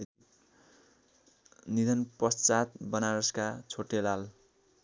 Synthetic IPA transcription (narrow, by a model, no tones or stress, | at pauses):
nid̪ʱʌnpʌst͡sat̪̚bʌnaɾʌskat͡sʰoʈːelal